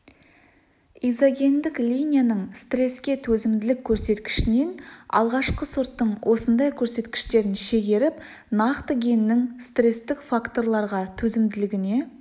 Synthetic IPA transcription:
ijzoɡʲe̞nd̪ɪklʲijnʲijanəɴst̪re̞skʲe̞t̪ʰɵzɪmd̪ɪlɪkʲʰːɵɾse̞t̪kʲɪ̥ʃɪne̞nɑ̰lˠʁɑʃqəsuɾt̪ːəɴwʔo̞sənd̪ɑjkʲʰɵɾse̞t̪kʲɪ̥ʃt̪e̞ɾɪnʃe̞ɡʲe̞ɾɪp | nɑqt̪əɡʲenːɪŋst̪re̞st̪ɪkfakt̪o̞ɾlˠɑɾʁɑt̪ʰɵzɪmd̪ɪlɪɡʲɪne̞

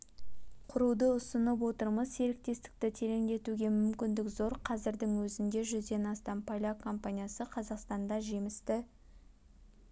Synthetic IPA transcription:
qʰʊɾud̪əʊsənəp̬wo̞t̪əɾməzse̞ɾɪk̚t̪e̞st̪ɪ̥k̚t̪ɪt̪ʰe̞ɾe̞ŋd̪e̞t̪uɡʲe̞mʏmkʲɪnd̪ɪkzo̞ɾqʰɑzɪɾd̪ɪŋwɵzɪnd̪e̞ʒʏzd̪e̞nɑst̪ɑmpʰalʲakʰo̞mpanʲijasəqʰɑzɑqst̪ɑnd̪ɑʒe̞mɪst̪ɪ

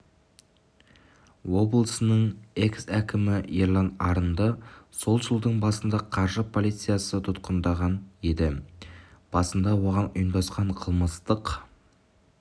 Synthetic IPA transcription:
wo̞blˠəsənəɴe̞ksækʲɪmɪjeɾlˠɑnɑɾənd̪əso̞lˠʒəlˠd̪əɴbɑsənd̪ɑqʰɑɾʒəpʰo̞lˠijt̪sɨjasət̪ʰʊt̪qənd̪ɑʁɑne̞d̪ɪ | b̥ɑsənd̪ɑwo̞ʁɑnʊ̰jənd̪ɑsqɑɴqʰəlˠməst̪əq

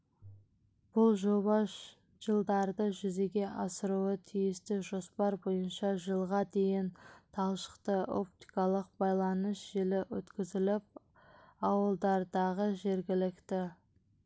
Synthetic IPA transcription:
b̥ʊlˠʒobɑ | ʒ̥əlˠd̪ɑɾd̪əʒʏze̞ɡʲe̞ʔɑsəɾuət̪ʰijɪst̪ɪʒo̞spɑɾbo̞jənʃɑʒəlˠʁɑd̪e̞jɪnt̪ʰɑlˠʃə̥qt̪əʔo̞̰p̚t̪i̥kɑlˠəq̚bɑjlˠɑnəsʒ̥elɪwɵ̰t̪kʲɪzɪlɪp̚ | ɑwəlˠd̪ɑɾd̪ɑʁəʒe̞ɾɡʲɪlɪkt̪ɪ

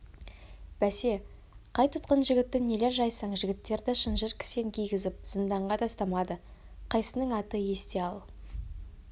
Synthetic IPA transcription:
b̥æse̞ | qʰɑjt̪ʰʊt̪qənʒɪɡʲɪt̪ːɪne̞le̞ɾʒɑjsɑɴʒɪɡʲɪt̪ːe̞ɾd̪ɪʃənʒəɾkʲʰɪ̥seŋkʲʰijɡʲɪzɪp̚z̥ənd̪ɑɴʁɑd̪ʰɑst̪ɑmɑd̪ə | qʰɑjsənəɴɑt̪əje̞st̪eɑlˠ

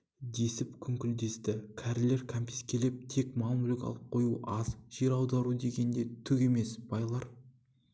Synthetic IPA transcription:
d̪e̞sɪpkʲʰʏŋkʲɪld̪e̞st̪ɪkʲʰæɾle̞ɾkʲʰampʲiskʲʰe̞le̞p̚t̪ʰe̞kmɑlˠmulʲikɑ̰lˠəp̚qʰo̞juʔɑzʒ̥e̞ɾɑwd̪ɑɾud̪e̞ɡʲe̞nd̪e̞t̪ʰʏɡʲe̞me̞sb̥ɑjlˠɑɾ

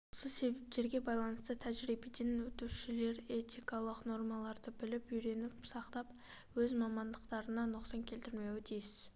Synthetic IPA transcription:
osəse̞bep̚t̪e̞ɾɡʲe̞bɑjlˠɑnəst̪ət̪ʰæʒɾijbed̪enwɵt̪uʃɪle̞ɾe̞t̪ijkɑlˠəqno̞rmɑlˠɑɾd̪əbɪlɪpʏjɾe̞nɪpsɑqt̪ɑp | wɵzmɑmɑnd̪əqt̪ɑɾənɑnʊqsɑŋkʲʰe̞lt̪ɪɾme̞wɪd̪ʰijɪs

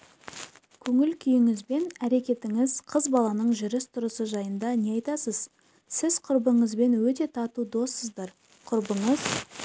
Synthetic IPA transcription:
kʲʰɵŋɪlkʲʰʏjɪŋɪzbe̞næɾe̞kʲe̞t̪ɪŋɪzqʰəzbɑlˠɑnəɴʒʏɾɪst̪ʰʊɾəsəʒɑjənd̪ɑne̞ɑjt̪ɑsəz | sɪzqʰʊɾbəɴəzbe̞nwɵt̪e̞t̪ʰɑt̪ud̪o̞sːəzd̪ɑɾ | qʰʊɾbəɴəz̥

